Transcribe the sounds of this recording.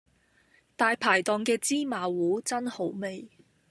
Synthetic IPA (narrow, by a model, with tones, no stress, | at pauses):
t̪aː˨jpʰaː˨˩jt̪ɔː˨ŋkɛː˧t͡siː˥maː˨˧wuː˨˥t͡sɐ˥nho˨˥wme˨j